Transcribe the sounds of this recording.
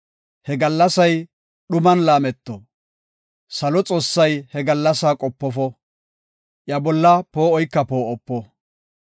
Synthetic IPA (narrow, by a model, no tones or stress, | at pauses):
hɛɡɐlːɐsɐj | ɗʊmɐnlaːmɛt̪ːɔ | sɐlɔt͡sʼo̞ːsːɐjhɛɡɐlːɐsaːkʼɔpːɔfɔ | ʔjɐbɔlːɐpo̞ːɔjkːɐpo̞ːʔɔpːɔ